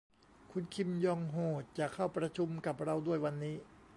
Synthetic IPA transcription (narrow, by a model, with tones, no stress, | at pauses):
kʰu˧nkʰi˧mjɔː˧ŋɦoː˨˩t̪̚t͡ɕaː˨˩kʰːa˥˩wpɾa˧t͡ɕʰu˧mka˨˩p̚ɾa˧wdu˥˩əjwa˧nːiː˦˥